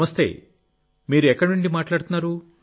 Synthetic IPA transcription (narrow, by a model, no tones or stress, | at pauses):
mɐst̪e̞̰ | miːɾuɛkːɐɽnuɳɖimaːʈlaːɽut̪unːaːɾu